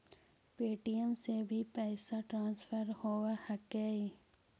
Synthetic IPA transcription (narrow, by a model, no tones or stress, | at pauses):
peːʈijəmsebʱipɛːsaʈɾãːnsfʰəɾhoːwahəkɛːi